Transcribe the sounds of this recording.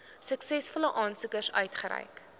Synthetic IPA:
səksɛsfɔləʔɑːnsukərsœ̰ɥtχəɾɛ̰jk

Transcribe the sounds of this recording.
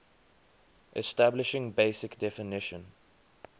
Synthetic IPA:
ʔɛstablɪʃɪ̃ŋbeɪsɪkdɛfɪnɪʃə̃n

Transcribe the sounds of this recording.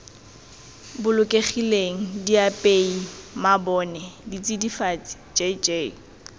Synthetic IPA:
bʊlʊkʼeχileŋ̩diapʼeimabɔnɛdit͡sʼidifat͡sʼi̥t͡ʃʼet͡ʃʼeː

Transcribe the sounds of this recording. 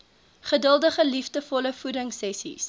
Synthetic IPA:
χədəlˠdəχəlifdəfɔləfuɾəŋsɛsḭs

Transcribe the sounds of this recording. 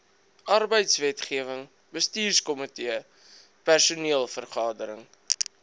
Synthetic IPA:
ʔɐrbəjtsvɛtχiəvəŋ | bəstiːrskɔmətiə | pærsuniəlˠfərχɑːdəɾəŋ

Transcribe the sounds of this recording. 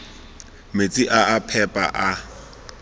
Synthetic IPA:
met͡sʼiʔaapʰɛpʼa̰ʔa

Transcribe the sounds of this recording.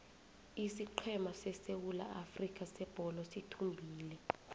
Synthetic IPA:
isiǃʰɛmasɛsewula̰ʔafrik̬ʼasɛb̥ʱɔlɔsitʰumbʱiːlɛ

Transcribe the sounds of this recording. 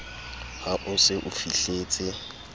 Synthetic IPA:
haʔʊsɪʔʊfiɬeːt͡sʼɪ

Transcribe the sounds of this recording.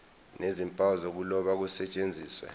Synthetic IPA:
nezimpʼawzok̬ulɔɓak̬usɛt͡ʃʼend͡zʱiːswɛ̰

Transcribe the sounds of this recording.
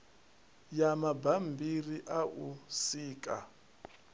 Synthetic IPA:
jamabambʱiriʔaʔusiːkʼa

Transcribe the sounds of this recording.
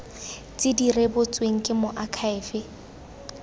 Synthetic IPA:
t͡sʼɪdirebʊt͡sʼweŋ̩kʼɪmʊʔakʰaɪːfɪ

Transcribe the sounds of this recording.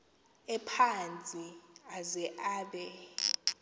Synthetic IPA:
ɛpʰant͡sʼiazɛʔaːɓɛ

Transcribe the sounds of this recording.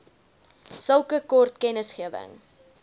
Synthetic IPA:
səlˠkəkɔrtkɛnəsχiəvə̰ŋ

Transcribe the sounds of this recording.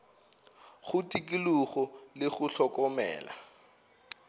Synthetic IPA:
χʊtʼik̬ʼiluɣɔlɪχʊɬɔkɔmɛ̰ːla̰

